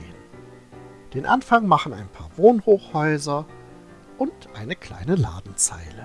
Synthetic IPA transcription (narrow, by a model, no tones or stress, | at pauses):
n | d̥eːnʔanfaŋmaχn̩a̰ɪnpʰa̰ːɐvoːnhoːχhɔʏzɐ | ʔʊntʔaɪnəkʰl̥a̰ɪnəla̰ːdn̩t͡sa̰ɪlə